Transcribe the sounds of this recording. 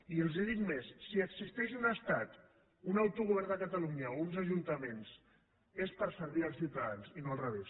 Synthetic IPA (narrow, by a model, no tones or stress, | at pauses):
iəlˠzeðit̪mesːiəksist̪ɛʃunəst̪at̪ | unawt̪uɣuβɛɾnd̪əkət̪aluɲəounzəʒunt̪əmens | espəɾsəɾβiəlsiwt̪aðanzinoalˠrəβes